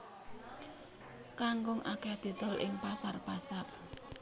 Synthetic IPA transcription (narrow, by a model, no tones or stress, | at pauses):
kaŋɡʊŋʔakead̪̥i̤d̪̥ɔ̤lʔɪ̰ŋpasarpasar